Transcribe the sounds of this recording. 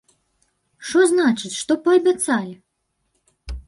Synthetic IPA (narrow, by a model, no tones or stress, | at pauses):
ʂɔznat͡ʂɨt͡sʲʂt̪ɔpɐɐbʲat̪salʲi